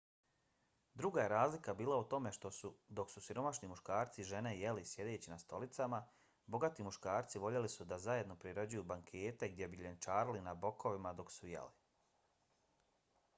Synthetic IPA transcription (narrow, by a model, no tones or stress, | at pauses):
d̪ɾuɡaje̞ɾaːzlikabiːlˠaut̪o̞me̞ʃt̪o̞sud̪o̞ksusiɾo̞maʃnimuʃkaːɾt̪siʒe̞ne̞je̞lisje̞d̪e̞ːt͡ɕinast̪o̞lit̪sama | bo̞ɡat̪imuʃkaːɾt̪siʋo̞ʎe̞lisud̪azaje̞d̪no̞pɾiɾo̞d͡ʑujubaŋkʰe̞ːt̪e̞ɡd̪jebiʎent͡ʃaːɾalinabo̞kʰo̞ʋimad̪o̞ksujḛli